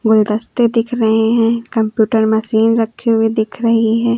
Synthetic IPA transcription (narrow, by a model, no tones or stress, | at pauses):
ɡʊld̪əst̪ed̪ɪkʰɾɐɦeɦɛ̃ːkɐ̃mpjuːʈəɾmɐsiːnɾɐkʰːeɦʊed̪ɪkʰɾɐɦiɦɛ̃ː